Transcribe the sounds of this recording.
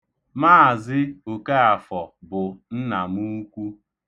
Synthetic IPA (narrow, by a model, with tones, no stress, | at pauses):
maː˦˨zɪ˦o˨ke˦a˨fɔ˨bʊ˨n̩˦na˨mu˦kʷu˦